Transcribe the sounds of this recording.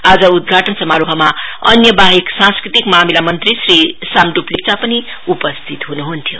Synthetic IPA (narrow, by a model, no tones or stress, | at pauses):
ad͡zʌud̪̚ɡʱaʈʌnsʌmːaɾuɦʌmaʌnjʌbaɦiksãnskɾit̪ikmamilamʌnt̪ɾisɾisamɖuplipt͡sapʌni | upʌst̪ʰit̪ɦunuɦunt̪ʰjo